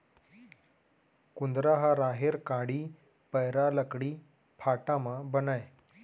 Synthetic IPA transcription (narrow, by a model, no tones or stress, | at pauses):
kund̪ɾaɦaɾaɦeɾkãɽiː | pəjɾaləkɽiː | pʰaʈamabənaj